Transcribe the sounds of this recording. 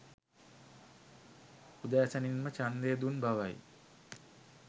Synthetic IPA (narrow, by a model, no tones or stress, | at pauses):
ud̪aːsaninmət͡ʃand̪eːd̪unbaʋaj